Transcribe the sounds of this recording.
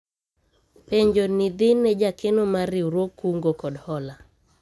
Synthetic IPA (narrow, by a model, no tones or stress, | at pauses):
peɲd͡ʒonɪd̪ɪnɛd͡ʒakenomaɾɪuɾwokuŋɡokɔdhɔla